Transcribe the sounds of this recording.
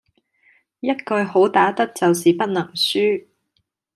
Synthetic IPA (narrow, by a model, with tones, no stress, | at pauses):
jɐ˥t̚kɵ˨˧jɦo˨˥wt̪aː˨˥t̪ɐ˥k̚t͡sɐ˨ws̬iː˨pɐ˥t̚nɐ˨˩ŋsyː˥